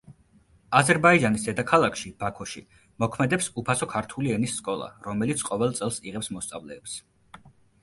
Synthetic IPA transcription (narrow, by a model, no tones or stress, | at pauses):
azɛɾbaid͡ʒanisd̪ɛd̪akʰalˠakʃib̥akʰɔʃḭ | mɔkʰmɛd̪ɛpsupʰasɔkʰaɾt̪ʰuliɛnisːkʼɔlˠa̰ɾɔmɛlit̪sʰqʼɔvɛlˠt̪sʼɛlˠsiʁɛpsmɔst̪sʼa̰vlɛːps